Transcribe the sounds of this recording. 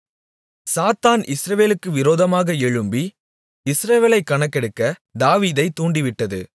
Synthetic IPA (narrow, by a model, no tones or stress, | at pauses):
saːt̪aːnʔɪsɾɐʋeːlɯkːɯʋɪɾoːðɐmaːɣɐɛɻɯmbi | ɪsɾɐʋeːlɐɪkːɐɳɐkːɛɽɯkːɐd̪aːʋiːðɐɪt̪ːuːɳɖiʋɪʈːɐðɯ̰